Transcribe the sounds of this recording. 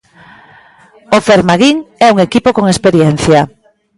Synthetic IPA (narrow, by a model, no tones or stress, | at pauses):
ofeɾmaɣiŋɛuŋekipokoŋespeɾjɛn̟θja